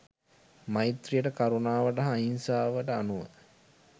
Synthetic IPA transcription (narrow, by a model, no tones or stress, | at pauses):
mait̪rijəʈəkaɾunaːʋəʈəɦainsaːʋəʈəanuʋə̰